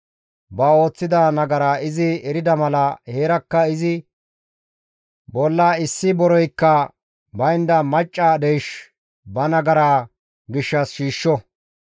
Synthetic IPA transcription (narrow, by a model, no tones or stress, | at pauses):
bɐo̞ːt͡sːɪd̪ɐnɐɡɐɾaːɪzɪɛɾɪd̪ɐmɐlɐhe̞ːɾɐkːɐɪzɪ | bɔlːaːɪsːɪbɔɾɔjkːɐ | bɐjnd̪ɐmɐt͡ʃʼːaːd̪ejʃ | bɐnɐɡɐɾaː | ɡɪʃːɐsʃiːʃːɔ